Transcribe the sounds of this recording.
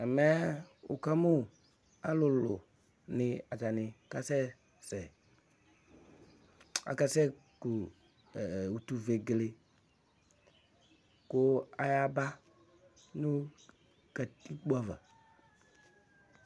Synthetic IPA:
ɛ˨mɛ˦o̰˨ka˦mu˦˨ | a˦lʊ˨lʊ̰˨ | nɪ˨a˨d͡ʒa˨nɪ˨ka˦sɛ˦ | sɛ˨ | a̰˨ka˦sɛ˦ | ku˨ | u˨t̪u˨ve˨ɡle˨ | kʊ˦a˦ja˦ba˦ | nʊ˦ | ɡ̥a˨ti˦k͡pu˦a˦˨va̰˨

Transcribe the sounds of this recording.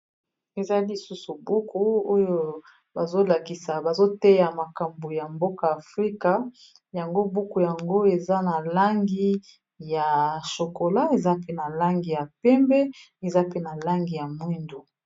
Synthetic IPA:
e˨za˦li˨su˦su˨bu˦ku˦o˦jo˦ | ba˨zo˦la˨ki˨sa˨ba˨zo˦tɛ˦ja˨ma˨ka˨mbo˨ja˨mbo˦ka˨a˨fʁi˦ka˦ | ja˨ŋɡo˦bu˦ku˨ja˨ŋɡo˦e˨za˦na˨la˦ŋɡi˦ | ja˨ʃo˨ko˨la˦e˨za˦pe˦na˨la˦ŋɡi˨ja˨pɛ˦mbɛ˦ | e˨za˦pe˦na˨la˦ŋɡi˨ja˨mwi˦ndu˨

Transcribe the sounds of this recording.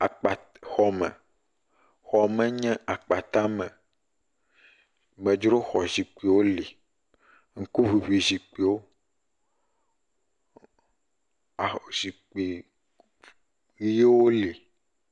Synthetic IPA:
a˨k͡pa˨ | xɔ˨mɛ̰̃˨ | xɔ˨mɛ˦ɲɛ̃˦ʔa˨k͡pa˨t̪ã˦mɛ̃˨ | mɛ̃˨d͡ʒɾo˦xɔ˨zi˨k͡pe˨wo˦li˨ | ŋ̩˦ku˦vi˨βi˨zi˨k͡pe˨wo˦ | a˨zi˨k͡pe˨ | ɣi˦je˦wo˦li˨

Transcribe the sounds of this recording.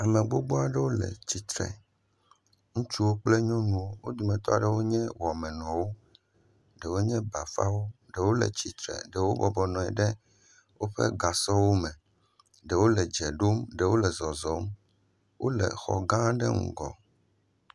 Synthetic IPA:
a˨mẽ˨ɡ͡bo˦ɡ͡bɔ˦a˨ɖɛ˦wo˦lɛ̰˨t͡ɕi˨t̪ɾɛ̰˨ | ŋũ˦t͡ʃu˦wo˦k͡plɛ˦ɲɔ̃˦nũ˦wo˦wo˦d̪u˨mɛ̃˨t̪ɔ̰˦a˨ɖɛ˦wo˦ɲɛ̃˦wɔ˨a˨mɛ̃˨nɔ̃˨wo˦ | ɖɛ˨wo˦ɲɛ̃˦ba˨fa̰˦wo˦ɖɛ˨wo˦lɛ̰˨t͡ɕi˨t̪ɾɛ̰˨ɖɛ˨wo˦bɔ˨bɔ˨nɔ̃˨ɛ̰˨ɖɛ˦ | wo˦ɸḛ˦ɡa˨sɔ˦wo˦mɛ̃˨ | ɖɛ˨wo˦lɛ˨d͡ʒɛ˨ɖo˦mɖɛ˨wo˦lɛ˨zɔ˨zɔ˨˦m˦ | wʔo˦lɛ̰˨xɔ̰˨ɡã˦ɖɛ̰˦ŋṵ̃˨ɡɔ̰˨

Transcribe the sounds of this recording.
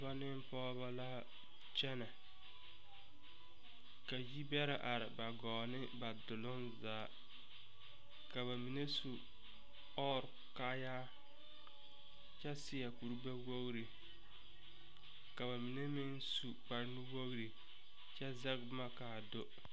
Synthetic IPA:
ba˦nɪ˦m˦pɔː˦βa˦la˦ | t͡ʃɛ˦na˨ | ka˨ji˦bɛ˦ɾa˨ʔa˨ɾɪ˨ba˨ɡɔː˨nɪ˦ba˨dʊ˨lʊ˦nzaː˨˦ | ka˨βa˨mi˨ne˦su˨ | ɔ˦˨ɾka˦jaː˦ | t͡ʃɛ˦sɪ˦a˨ku˨ɾbɛ˦wo˦ɣɾi˨ | ka˨βa˨mi˨ne˦mɪ˦nsu˨k͡pa˨ɾnɪ˦wo˦ɣɾi˨ | t͡ʃɛ˦zɛ˦ɡma˦kaː˨do˦

